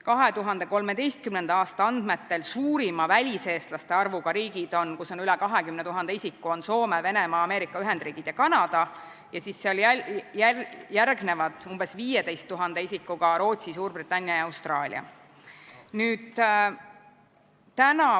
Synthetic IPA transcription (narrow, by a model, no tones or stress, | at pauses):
kɑɦe̞t̪uɦɑnd̪e̞ko̞lme̞d̪e̞jst̪̚kymne̞nd̪ɑɑːst̪ɑɑnd̪̥me̞t̪ːe̞lsuːɾimɑvælʲise̞ːst̪lɑst̪e̞ɑrvuɡ̥ɑɾiːɡid̪̥o̞nkuso̞nylɛkɑɦe̞kymnet̪uɦɑnd̪̥eisikːˑuo̞nso̞ːmeve̞ne̞mɑːme̞ːɾikːˑɑyɦe̞nd̪riːɡ̥id̪̥jɑkɑnɑd̪̥ɑ | jɑsisːeo̞ljæjærɡne̞vɑd̪̥umb̥e̞sviːje̞d̪e̞jst̪ːuɦɑnd̪e̞isikːuɡ̥ɑɾo̞ːt̪sisuːrb̥rit̪ːˑɑnʲːjɑjɑɑwst̪rɑːlʲḭɑ̰ | nyːd̪̥ | t̪ænɑ